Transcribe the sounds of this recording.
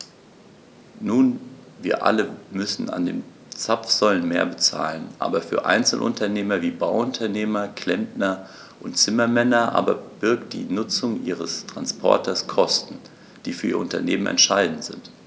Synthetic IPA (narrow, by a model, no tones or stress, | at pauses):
nuːnviːɐʔa̰ləmʏsn̩a̰ndḛːn | t͡sapp͡fz̥ɔlənmeːɐbət͡sa̰ːlənʔa̰ːbɐfyːɐʔa̰ɪnt͡sl̩ʔʊ̰ntɐneːmɐviːbaʊʊntʰɐneːmɐkʰl̥ɛmpnɐ | ʔʊntt͡sɪmɐmɛnɐʔa̰ːbɐb̥ɪɐk̚t̚d̥ḭːnʊt͡sʊŋʔḭːʁəstʁ̥anspʰɔ̰ɐtʰɐskʰɔstn̩ | d̥iːfyːɐʔiːɐʊ̰̃ntɐ̰neːmənɛ̰ntʃaɪdn̩tz̥ɪ̰nt